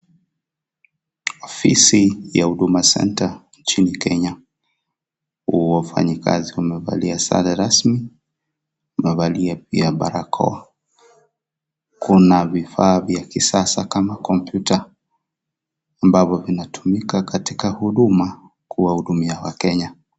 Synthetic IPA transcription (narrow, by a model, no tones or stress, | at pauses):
ɔfisijahuɗumasɛ̰ntant͡ʃinikɛɲa | uwafa̰ɲika̰ziumɛva̰liasa̰laɾasmi | umɛvaliap̚iaɓa̰ɾakʰɔ̰a | kunavifaːvjakisasakamakɔmpjutʰa | ambavɔvinatʰu̥mikakatikahuɗuma | kuwahuɗumiawakɛɲa